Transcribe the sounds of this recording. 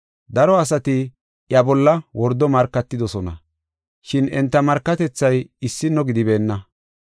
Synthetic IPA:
d̪ɐɾɔɐs̬ɐt̪ɪ | ʔjɐbɔlːɐwɔɾd̪ɔmɐɾkːɐt̪ːɪd̪ɔsɔnɐ̰ | ʃɪnɛnt̪ːɐmɐɾkːɐt̪ɛt͡sːɐjɪsːɪnːɔɡɪd̪ɪbe̞ːnːɐ

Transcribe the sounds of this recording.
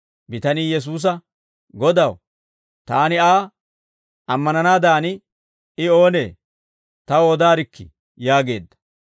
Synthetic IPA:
bɪt̪ɐnijɛs̬uːs̬ɐ | ɡɔd̪ɐw | t̪aːnɪaː | ɐmːɐnɐnaːd̪aːnɪ | ɪo̞ːne̞ː | t̪ɐwoːd̪aːɾɪkʰːɪ̰ | jaːɡe̞ːd̪ːɐ̥

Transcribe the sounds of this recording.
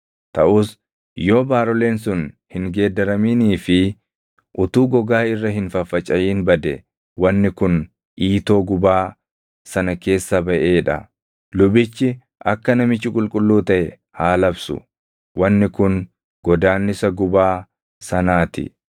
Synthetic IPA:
t̪ɐʔʊːs | jo̞ːbaːɾɔle̞ːnsʊnhɪŋɡe̞ːd̪ɐɾɐmiːniːfɪ | ʔʊt̪uːɡɔɡaːɪrːɐɦɪnfɐfːɐt͡ʃʼɐjiːnbɐd̪ɛ | wɐnːɪkʊn | ʔiːt̪o̞ːɡʊbaː | sɐnɐke̞ːsːɐbɐʔeːᶑɐ̰ | lʊbɪt͡ʃːɪ | ʔɐkːɐnɐmɪt͡ʃːɪkʼʊlkʼʊlːuːt̪ɐʔɛ | haːlɐbsʊ̰ | wɐnːɪkʊn | ɡ̥ɔd̪aːnːɪsɐɡʊbaː | sɐnaːt̪ɪ̰

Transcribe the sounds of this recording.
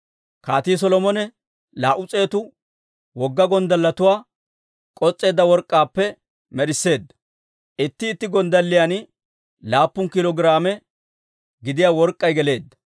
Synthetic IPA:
kaːt̪iːs̬ɔlɔmɔnɛ | laːʔʊt͡sʼe̞ːt̪ʊ | wɔɡːɐɡɔnd̪ɐlːɐt̪ʊwaː | kʼɔt͡sʼːe̞ːd̪ːɐwɔɾkʼːaːpːɛ | mɛɾɪsːe̞ːd̪ːɐ̥ | ʔɪt̪ːɪːt̪ːɪɡɔnd̪ɐlːɪjan | laːpːʊŋkɪlɔɡɪɾaːmɛ | ɡɪd̪ɪjaːwɔɾkʼːɐjɡɛle̞ːd̪ːɐ̥

